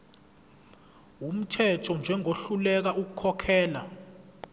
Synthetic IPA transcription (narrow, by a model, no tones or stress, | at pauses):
um̩tʰɛtʰɔnd͡ʒʱɛŋʱoɬulɛk̬aʔuk̬ukʰɔkʰɛːla